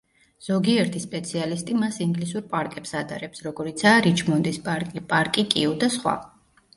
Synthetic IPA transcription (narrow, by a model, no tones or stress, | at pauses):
z̥ɔɡiɛɾt̪ʰispʼɛt̪sʰialist̪ʼimasiŋɡlis̬uɾpʼaɾkʼɛpsad̪a̰ɾɛpsɾɔɡɔɾit̪sʰaɾit͡ʃʰmɔnd̪ispʼaɾʼpʼaɾkʼikʼiud̪asχwa̰